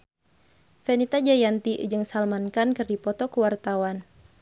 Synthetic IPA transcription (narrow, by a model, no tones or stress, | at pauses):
fɛnit̪ad͡ʒajant̪id͡ʒɨŋsalmankankɨrdipɔt̪ɔkəwart̪awan